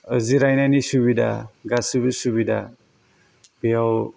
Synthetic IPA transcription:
əziɾajnajnisuβida̰ɡasɯbɯsuβida̰ | bijaw

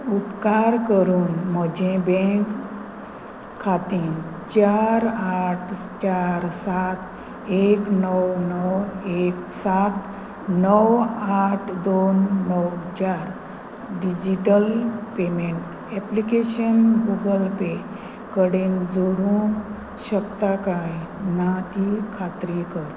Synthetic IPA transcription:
upkaɾkəɾuːnm̤əd͡ʑẽbɛ̃k | at̪iːn | t͡ɕaɾaʈʰ | t͡ɕaɾsat̪ | eknəwnəwek | sat̪ | nəwaʈʰd̪onːəwt͡ɕaɾ | ɖid͡ʑiʈəlpemeɳʈ | ɛplikeɕənɡuɡəlpe | kəɽend͡zoɽũŋ | ɕəkt̪akajnat̪ikʰat̪ɾikəɾ

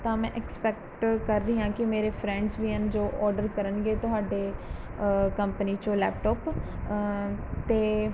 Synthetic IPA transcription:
t̪ãːmɛ̃ːʔɛkspɛːk̚ʈkəɾːəiːɦãːkɪmeːɾeːpʰɾɛ̃ːɳɖzʋiːənd͡ʒoːʔɔːɾɖəɾkəɾənɡeːt̪ʊɦaːɖeː | kəmpəniːt͡ʃõːlɛ̰ːp̚ʈɔːp | t̪eː

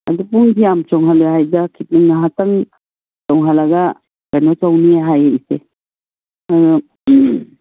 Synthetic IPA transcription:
a̰dupuŋdijamt͡ʃɔŋɦalɔjɦajdakʰit̚niŋnaɦataŋ | t͡ʃɔŋɦalaɡa | kanɔt͡ʃawniaɦajese | ad

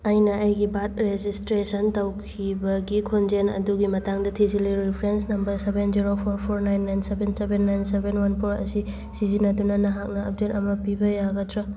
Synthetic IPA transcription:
ɐjnɐɐjɡibat̚ɾezistɾesɐntawkʰibɐɡikʰond͡ʒenɐ̰duɡimɐtaŋdɐtʰiziliɾipʰɾensnɐmbɐɾsebenziɾopʰoɾpʰoɾnajnːajnsebensebenːajnsebenwanpʰoɾɐ̰si | sizinɐtunɐnɐɦak̚nɐɐ̰b̚detɐmɐpibɐjaɡɐtɾɐ

